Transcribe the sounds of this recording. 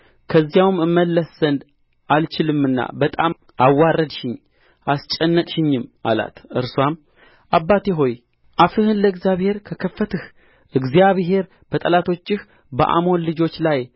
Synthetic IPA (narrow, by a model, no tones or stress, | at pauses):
kʰəzːjawmɨmːəlːəsz̥ənd̪ | ʔalt͡ʃɪlɨmːɨnːa̰bət̪ʼam | ʔawːarːəd̪ʃɪɲː | ʔast͡ʃʼɛnːəkʼʃɪɲːɨmʔa̰la̰t̪ɨɾswam | ʔabːat̪ʰeɦo̞j | ʔafɨhɨnləɨɡzjaβhe̞ɾkʰəkʰəfːət̪ʰɨh | ʔɨɡzijaβɦe̞ɾ | b̥ət̪ʼəlat̪ʰo̞t͡ʃːɪh | bə̰ʔa̰mo̞nlɨd͡ʒo̞t͡ʃːlaj